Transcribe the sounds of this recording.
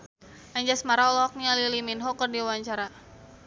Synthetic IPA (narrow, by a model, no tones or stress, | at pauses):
aɲd͡ʒasmaɾaɔlɔɔk̚ɲaliliminɦɔkərdiawaɲt͡ʃaɾa